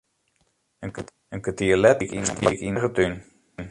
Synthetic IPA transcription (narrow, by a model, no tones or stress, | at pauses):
ən | ənkətiːlɛtikintʰikinəɣətyn | n